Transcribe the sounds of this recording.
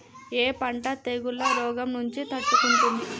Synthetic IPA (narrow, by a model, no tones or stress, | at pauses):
eːpɐɳʈɐt̪eːɡulːɐɾɔːɡɐmnuɲt͡ʃit̪ɐʈːukuɳʈund̪i